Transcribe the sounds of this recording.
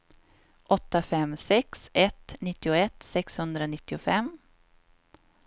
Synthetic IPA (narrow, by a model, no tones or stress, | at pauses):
ʔɔt̪ːafɛmsɛksɛt̪nɪt̪ːɪʊɛt̪sɛkshɵnd̪ɾanɪt̪ːɪʊfɛm